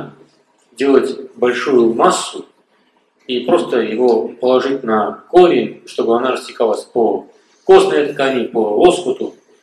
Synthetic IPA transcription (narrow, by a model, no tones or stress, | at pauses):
dʲelˠətʲbɐlʲʂujʊmasːʊ | ipɾo̞st̪əjɪvo̞pəlˠɐʐɨtʲnɐkoɾʲɪnʲʂt̪o̞bɨɐnaɾəsʲtʲɪkalˠəsʲpo | ko̞snəjɐt̪kanʲɪpəospət̪ʊ